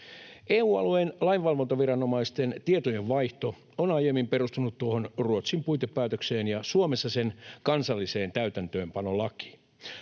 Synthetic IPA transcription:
eːuːɑ̰luejnlɑinʋɑlʋont̪oʋiɾɑno̞mɑist̪e̞nt̪iet̪oje̞ʋʋɑjht̪o̞ | onɑjemːimpe̞rust̪unut̪ːuoɦo̞nruot̪simpujt̪epːæːt̪økseːnjɑsuome̞sːɑse̞nkɑnsɑlːise̞ːnt̪æyt̪ænt̪øːmpɑno̞lɑki̥

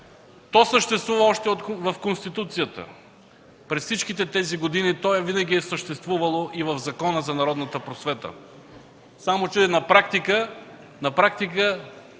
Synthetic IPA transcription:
t̪ɔsəʃt̪ɛst̪vuvəɔʃt̪ɛot̪vɐfkonst̪it̪ut̪sijət̪ə̰ | pɾɛsfsit͡ʃkit̪ɛt̪ɛziɡod̪init̪ɔɛvinɐɡ̟ʲiɛsəʃt̪ɛst̪vuvɐlˠoʔivɐvzɐkɔnəzɐnɐɾɔd̪nət̪əpɾosvɛt̪ə̰ | samot͡ʃɛnɐpɾakt̪ikə | nɐpɾakt̪ikə

